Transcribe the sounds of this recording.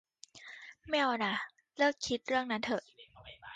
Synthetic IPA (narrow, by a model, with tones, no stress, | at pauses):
mː˥˩˨ʔɔː˧˩na˧˩ | lɤː˥˩kʰːi˦˥t̪̚ɾɯ˥˩əŋna˦˥nt̪ʰɤ˧˩ʔ